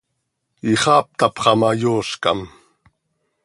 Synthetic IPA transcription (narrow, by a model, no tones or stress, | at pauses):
iχɑːp̚t̪ɑpχɑmɑjoːɬkɑ̰m